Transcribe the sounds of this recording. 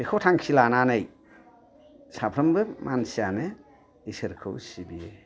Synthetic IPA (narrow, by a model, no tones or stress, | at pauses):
bekʰowtʰaŋsʰilananaj | sapʰɾɐmbɯmansijanɯ | isɯɾkʰɯ̰wsibie